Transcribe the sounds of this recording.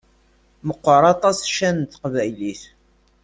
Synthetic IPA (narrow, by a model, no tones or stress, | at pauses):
məqːəɾˤɑt̪ˤɑsʃænt̪qvæjliθ